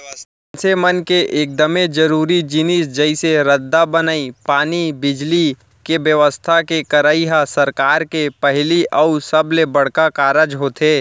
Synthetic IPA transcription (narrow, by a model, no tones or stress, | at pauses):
nsemənkeʔeːk̚d̪əmed͡ʒəɾuːɾid͡ʒɪnisd͡ʒɛɪseɾəd̪ːabənaːipaːnibɪd͡ʒli | kebjəʋəst̪ʰakekɐɾaːiɦasɐɾkaːɾkepɛɦliɐusɐblebɐɽ̤kakaːɾəd͡ʒɦoːt̪ʰeː